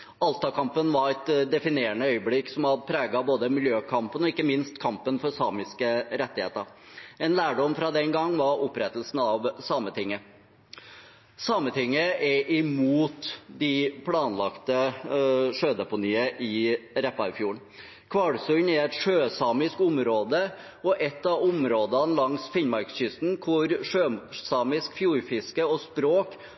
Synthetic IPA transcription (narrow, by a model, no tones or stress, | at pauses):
ɑlt̪ɑkʰɑmpənʋɑɾɛt̪d̪ɛfɪneːəɳəœʏəblɪkːsɔmɑd̪pʰɾæːɡɑboːd̪əmɪljøːkʰɑmpənɔɪkːəmɪnst̪kʰɑmpənfɔɾsɑːmɪskəɾɛt̪ːɪhḛːt̪əɾɛnlæːɖɔmfɾɑd̪ɛnɡɑŋːʋɑɾɔpːɾɛt̪əlsn̩ɑʋsɑːmət̪ʰɪŋːə | sɑːmət̪ʰɪŋːəʔɛʔɪmuːt̪d̪ɪpʰɽɑːnlɑkt̪ə | ʂøːd̪ɛpʊniːəʔɪɾɛpːɑɾɪfjuːɳ | kʰʋɑɽsʉnɛɾɛt̪ʂøːsɑːmɪskʊmɾoːd̪ə | ɔʔɛt̪ːɑʋʊmɾoːd̪ənlɑŋsfɪɲmɑɾkɕʏst̪nkʰʊɾʂøːsɑːmɪskfjuːɾfɪskəɔspɾoːk